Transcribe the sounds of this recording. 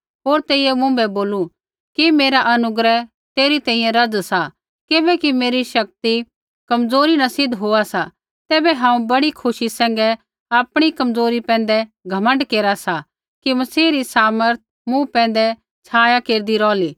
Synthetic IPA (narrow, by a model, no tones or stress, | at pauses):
ɦoːɾt̪eːiɛmʊ̃bɛboːlu | kimeːɾaʔɐnʊɡɾɛ | t̪eːɾit̪ɛ̃ːĩːjɛ̃ɾɐd͡zsa | kɪbɛkimeːɾiʃɐk̚t̪i | kɐmd͡zoːɾinasɪd̪ʱɦoːasa | t̪ɛːbɛɦãːũbɐɽikʰʊʃisɛ̃ːŋ̆ɡɛ | aːpɽ̃ikɐmd͡zoːɾipɛ̃ːn̆d̪ɛɡʱɐmə̃ɳɖkeːɾasa | kimɐsiːɾisaːməɾt̪̚ʰ | mũpɛ̃ːn̆d̪ɛ | t͡sʰaːjakeːɾd̪iɾɔːliː